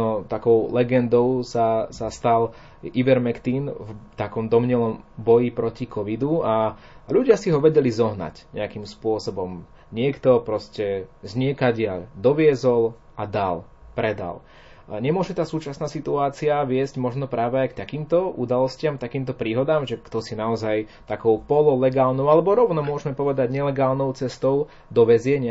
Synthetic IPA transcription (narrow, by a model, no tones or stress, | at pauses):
ɔt̪akɔʊlɛɡɛnd̪ɔʊsasast̪al | iʋɛɾmɛkt̪invt̪akɔmd̪ɔmɲɛlɔmbɔjipɾɔcikʰɔʋid̪ua | ʎuɟɪasiɦɔʋɛɟɛlizɔɦna̰cɲɛ̰akimspʊɔsɔbɔm | ɲɪɛkt̪ɔpɾɔscɛzɲɪɛkaɟɪaʎd̪ɔʋɪɛzɔl | ʔad̪a̰l | pɾɛd̪a̰l | ɲɛmʊɔʒɛt̪aːsuːt͡ʃasnaːsit̪uaːt͡siaʋɪɛzɟmɔʒnɔpɾaːʋɛajkt̪akiːmt̪ɔʔṵd̪alɔscɪamt̪akiːmt̪ɔpɾiːɦɔd̪aːmʒɛkt̪ɔsinaɔzajt̪akɔʊpɔlɔlɛɡaːlnɔʊalɛbɔɾɔʊnɔmʊɔʒmɛpɔʋɛd̪aɟɲɛlɛɡaːlnɔʊt͡sɛst̪ɔʊ | d̪ɔʋɛzɪɛɲ